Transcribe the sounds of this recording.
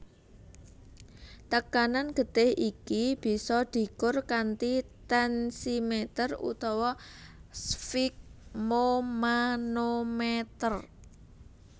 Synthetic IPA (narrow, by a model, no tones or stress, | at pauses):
t̪əkananɡ̥ə̤d̪̥ehikib̥i̤sɔd̪̥i̤kʊrkant̪it̪ɛnsimet̪ərṵt̪ɔwɔsfik̚momanomet̪ər